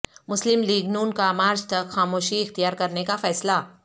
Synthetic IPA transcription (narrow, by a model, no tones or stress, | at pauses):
mʊslɪmliːɡnuːnkamaːɾd͡ʒt̪ɐkxaːmoːʃiɪxt̪ijaːɾkɐɾnekafɛːsla